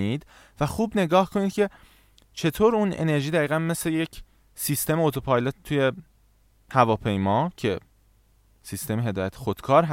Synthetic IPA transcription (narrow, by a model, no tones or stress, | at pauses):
iːd̪ | væxuːbne̞ɡɒːhkʰo̞niːd̪̚cʲʰe̞ | t͡ʃʰe̞t̪ʰoːɾuːne̞̰ne̞ɾʒiːd̪æɣiːɣænme̞slejecʰ | siːst̪e̞meot̪ʰopʰɒːjlot̪t̪ʰuje̞ | hævɒːpʰe̞jmɒːcʰe̞ | siːst̪e̞meɦe̞d̪ɒːjæt̪ʰe̥xod̪̥kʰɒːɾɦ